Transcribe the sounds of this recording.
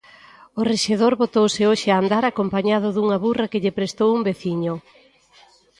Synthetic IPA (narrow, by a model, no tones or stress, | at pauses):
ʊreʃeð̞oɾβot̪owsɪoʃɪaːnd̪aɾakompaɲað̞ʊðuŋaβurakɪʎepɾest̪owumbeθiɲʊ